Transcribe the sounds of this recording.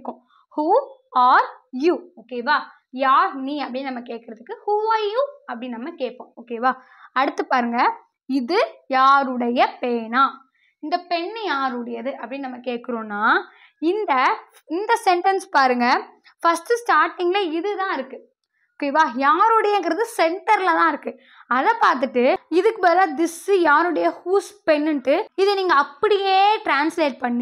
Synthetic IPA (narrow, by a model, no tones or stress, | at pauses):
kːʊ̃ | huːaːɾjuːoːkeːʋaː | jaːɾniːɐpːɐɽɪnnɐmːɐkeːʈ̚kɐɾɐðɯkːɯhuːaːɾjuːɐpːɐɽɪnɪnɐmːɐkeːʈ̚pːõːoːkeːʋaː | ɐɽɯt̪ːɯpaːɾɯŋɡɐ | ɪðɯjaːɾɯɽɐjɐpeːnaː | ɪnd̪ɐpɛɳːjaːɾɯɽɐjɐðɯʔɐpːɐɽɪ̃nnɐmːɐkeːʈkɯɾõːnːaː | ɪnd̪ɐ | ɪnd̪ɐsɛɳʈɐnspaːɾɯŋɡɐ | fɐsʈɯsʈaːɾʈːɪŋɡlɐɪðɯt̪ãːɪɾɯkːɯ | keʋaːjaːɾɯɽɐjɐːŋɡɪɾɐðɯsɛɳʈɐɾlɐðãːɪɾɯkːɯ | ɐðɐpaːɾt̪ɯʈːɯɪðɯkːɯpɐːlaːd̪ɪsɯjaːɾɯɽɐjɐhuːspɛnːɯnʈːɯɪðɯniːŋɡɐːpːɐɽɪjeːʈɾaːnsleːʈ̚pɐɳːi